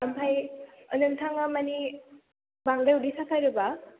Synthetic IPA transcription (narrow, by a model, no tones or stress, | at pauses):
ampʰajʌnɯnt̪ʰaŋamani | baŋdajudisakʰajɾɯba